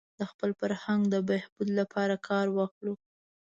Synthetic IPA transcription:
d̪əxpəlfaɾhaŋɡd̪əbehbud̪lapʰɑɾakʰɑɾwɑxlu

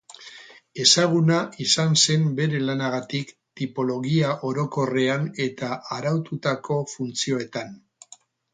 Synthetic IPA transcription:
e̞saɣ̞unaʔisanse̞mbe̞ɾe̞lanaɣ̞at̪ik | t̪ipo̞lo̞ɣiaʔo̞ɾo̞ko̞re̞ane̞t̪aʔaɾawt̪ut̪ako̞funt͡sio̞e̞t̪an

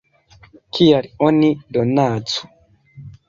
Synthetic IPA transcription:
kʰijaɾionidonaːt͡su̥

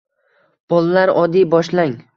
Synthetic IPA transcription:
b̥ɒlˠalaɾɒd̪ijbɒʃlaŋ

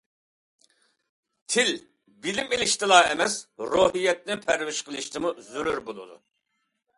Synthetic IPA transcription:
t̪ʰɪl | bilɪmilɪʃt̪ʰɨlˠɑːɛmɛsɾoːɦijɛt̪̚nɪnpʰæɾvɪʃqəlˠɨʃt̪ʰɪmuzyɾyɾbolˠṵd̪ṵ

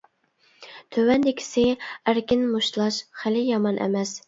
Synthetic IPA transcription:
t̪ʰøwɛnd̪ɪkʲʰɪ̥sɪæɾkʲɪnmuʃlˠɑʃχɪlɪjɑmɑnʔɛ̰mɛs

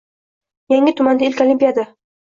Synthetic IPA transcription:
jaŋɪt̪ʰʊmand̪aɪlkʲolimpʲijad̪a

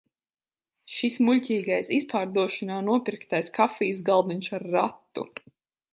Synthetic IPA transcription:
ʃismuʎʲcʲiːɡajsispaːɾd̪uɔʃanaːnuɔpiɾkt̪ajskafiːs̬ɡalˠd̪inʃaɾːat̪ːṵ

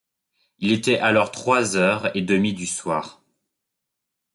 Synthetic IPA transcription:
ilet̪ɛʔalɔʁt̪χwazœʁed̪əmid̪yswaːʁ

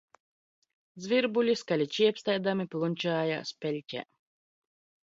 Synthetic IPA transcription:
d̪zvʲiɾbulʲiskalʲit͡ʃiɛpst̪ajd̪amiplˠunʲt͡ʃaːja̰ːspʲelʲcʲɛ̰

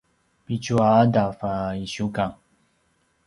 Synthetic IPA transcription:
pit͡ʃuadafaiʃukaŋ

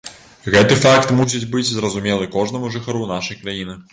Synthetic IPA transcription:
ɣɛt̪ɨfakt̪mus̬ʲit͡sʲbɨd͡zʲzrɐzumʲɛlˠɨkɔʐnɐmuʐɨxaɾunaʂɐjkɾajinɨ

